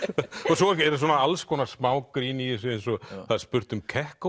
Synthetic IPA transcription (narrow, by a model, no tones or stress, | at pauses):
ɔs̬ɔvalɛɾs̬wɔːnaalskʰvɔːnasmaːwkɾiniesensɔɣθaðaɾ̥spʏɾ̥t̪ʏmkʰɛhk